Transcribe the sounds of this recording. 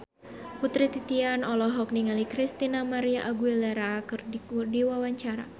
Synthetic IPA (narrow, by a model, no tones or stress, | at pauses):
put̪ɾit̪it̪ianɔlɔɦɔk̚niŋalikɾist̪inamaɾiaʔaɡuilɛɾakɨrdiwawaɲt͡ʃaɾa̰